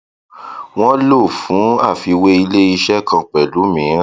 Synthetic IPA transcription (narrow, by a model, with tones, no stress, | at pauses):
w̃ɔ̃˦lo˦˨fũ˨˦a˦˨fi˨˧we˦i˧le˦i˧ʃɛ˦˨kʰã˧k͡pɛ˨lu˨˦mĩ˨˦ɾ̃